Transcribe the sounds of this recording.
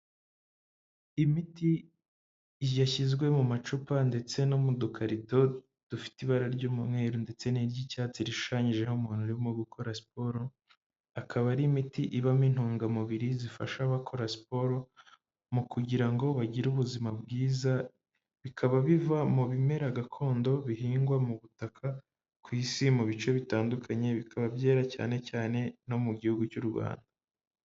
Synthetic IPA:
imiti | jaçizɡwe̞mumat͡ʃupande̞t͡se̞nomudukʰaɾito̞ | d̥ufi̥tiβaɾaɾɟomumŋweːɾonde̞t͡se̞niɾɟicaːt͡siɾiʃu̥ʃaɲiʒe̞homuːn̥huɾiβomoɡukʰo̞ɾasi̥po̞ɾo | akʰaβaɾimitiʔiβamin̥huːŋɡamuβiɾizifa̰ʃaβakʰo̞ɾaspo̞ɾo̞ | mukuɟiɾaŋɡo̞βaɟiɾuβuzimabɡiːza | βikʰaβaβivamuβime̞ɾaɡakʰo̞ːndo̞βihiːŋɡwamuβutakʰa | kwiːsimuβit͡ʃo̞βitaːndukʰaɲe̞βikʰaβabjeːɾaca̰ːne̞caːne̞no̞muɟihuɡucuɾɡwa̰ːnda

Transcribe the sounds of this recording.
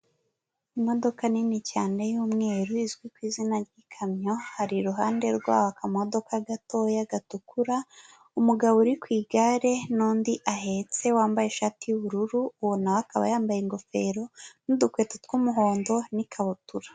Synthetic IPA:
imo̞do̞kaninicaːnejuːmŋe̞ːɾuizɡwikwiːzinaɾɡikʰamɲo̞haɾiɾuɦaːnde̞ɾɡwa̰ːwakamo̞do̞kaɡato̞jaɡatukuɾa | umuɡaβouɾikwiːɡaɾe̞nuːndiʔaɦet͡se̞waːmbajeʃaːtijuβuɾuɾuːβonawakaβa̰jaːmbajeŋɡo̞fe̞ɾo̞nudukwe̞ːtetkumuɦo̞ːndo̞nikʰaβutuɾḁ

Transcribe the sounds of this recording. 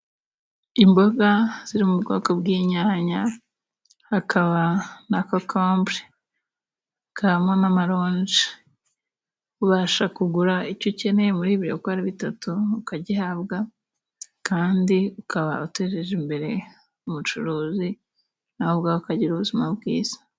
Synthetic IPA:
imbo̞ɡaz̥iɾimubɡoːko̞bɡiːɲaːɲa | hakʰaβanakokʰoːmbɾe | kaamŋanamaɾo̞ːnd͡ʒi̥ | uβaːʃakuɡuɾaicoce̞ne̞muɾiːβiɾo̰koaɾiβitatuːkaɟihaβɡa | kaːndiukʰaβa̰uteɾeʒimbe̞ɾe̞ | umut͡ʃuɾuːzi | nahoβɡaːhoukaɟiɾuβuzimabɡḭːz̥ḁ

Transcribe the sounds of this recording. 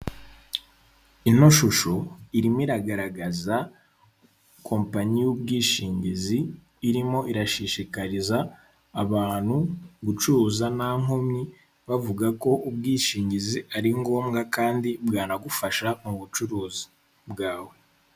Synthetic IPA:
ino̞ʃuʃo̞iɾimiɾaɡaɾaɡaza | kʰo̞ːmpaɲijub̚ɡiːʃiːɲɟiziː | ɾimo̞ʔiɾaʃiʃikaɾizaː | βaːn̥huɡut͡ʃuɾuːzanaŋomɲi | βavuɡako̞ʔubɡiːʃiːɲɟiziaɾiŋɡo̞ːmɡakaːndibɡaːnaɡufaʃamuβut͡ʃuɾuːzi̥ | bɡaːwe̞

